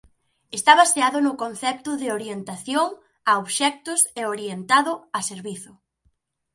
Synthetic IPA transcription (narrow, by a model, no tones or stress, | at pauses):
est̪aβaseaðʊnʊkon̟θɛp̚t̪ʊðɪoɾjent̪aθjoŋ | aoβʃɛk̚t̪ʊseoɾjent̪aðʊaseɾβiθʊ